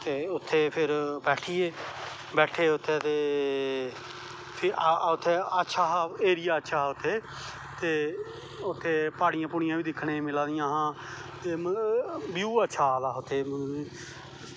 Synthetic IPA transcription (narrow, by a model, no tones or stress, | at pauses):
t̪eːʊt̪ʰːeːpʰɪɾbɛːʈʰiːeː | bɛːʈʰeːʊt̪ʰːeːt̪eː | pʰʊt̪ʰːeːətːʃʰaːaeːɾɪjaːətːʃʰaːʊt̪ʰːeː | t̪eː | ʊt̪ʰːeːpaːɽɪjãːpʊɽ̃ɪjãːʋiːd̪ɪkʰːɽeːmɪlãːd̪ɪjãːɦãː | t̪eːməbjuːətːʃʰaːd̪aːʊt̪ʰːeːməi